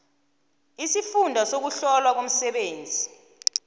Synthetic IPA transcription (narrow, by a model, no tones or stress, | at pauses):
isifundʱasok̬uɬɔlwak̬om̩sɛɓeːnd͡zʱi